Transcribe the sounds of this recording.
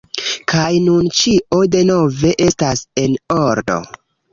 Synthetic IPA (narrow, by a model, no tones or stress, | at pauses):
kʰajnunt͡ʃiʔo̞de̞no̞ve̞ʔe̞stase̞noɾdo̞̰